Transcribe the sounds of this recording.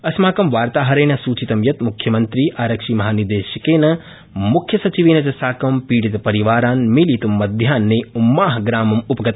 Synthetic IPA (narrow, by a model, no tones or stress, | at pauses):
ɐsmaːkɐmʋaːɾt̪aːɦɐɾɐjnɐsuːt͡ʃit̪ɐmjɐt̪mukʰjɐmɐnt̪ɾiːʔaːɾɐkʃiːmɐɦaːniɾd̪eːʃjɐkeːnɐ | mukʰjɐsɐt͡ʃiʋiːnɐd͡ʒɐsaːkɐmpiːɽit̪pɐɾiʋaːɾaːnmiliːt̪ɐmːɐd̪ʱjaːnːeːumːaːɦɐɡɾaːmɐmupɐɡɐt̪